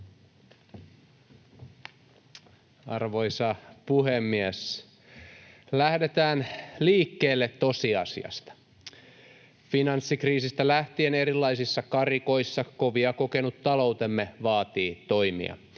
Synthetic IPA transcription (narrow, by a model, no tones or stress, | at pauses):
ɑrʋo̞jsɑpuhemːies | læhdet̪æːnliːkːeːlːet̪to̞siɑ̰sḭɑ̰st̪ɑ̥ | finɑnsːikriːsist̪ælæht̪iene̞ɾilːɑisisːɑkɑriko̞jsːɑko̞ʋiɑko̞ke̞nut̪ːɑlo̞wt̪emːeʋɑːt̪iːt̪o̞jmḭɑ̰